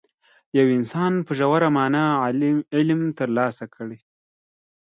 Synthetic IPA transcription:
jawɪnsɑnpəʒawaɾamɑːna | ɪlmt̪əɾlɑsakʰəɽe

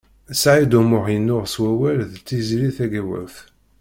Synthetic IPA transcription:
sʕid̪umʊʁjənːʊʁswæwælðt͡sːiziliθæɡæwæ̰lθ

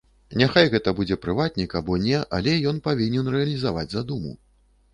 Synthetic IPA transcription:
nʲaxajɣɛt̪ɐbud͡zʲɛpɾɨvat̪̚ʲnʲikabɔnʲɛʔa̰lʲɛjɔnpavʲinʲɛnrɛɐlʲizava̰d͡zʲzad̪umṵ

